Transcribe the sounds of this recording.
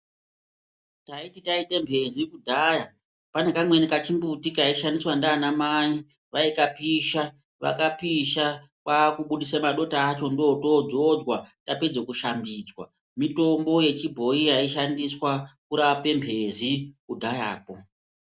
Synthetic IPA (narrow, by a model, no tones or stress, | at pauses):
taititaitembʱe̞zikudʱaja | pane̞kamwe̞nikat͡ʃimbutikaiʃandiswandaːnamai | ʋaikapiʃa | ʋa̰kapiʃa | kakuɓuɗisamaɗo̞taːt͡ʃo̞ndoːtoːd͡zod͡zwataped͡zekuʃambiːd͡zwa̰ | mito̞mbo̞je̞t͡ʃibʱo̞ijaiʃandiswakuɾaʋape̞mbʱe̞zikudʱaja̰ːpo̞